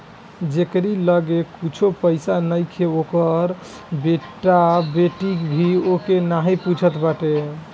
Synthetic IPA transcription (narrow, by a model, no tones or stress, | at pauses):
d͡ʒekɾiləɡekut͡ʃʰopəɪsanəjkʰeokəɾ | beʈːabeʈikbʱiokenaɦiput͡ʃʰət̪baʈe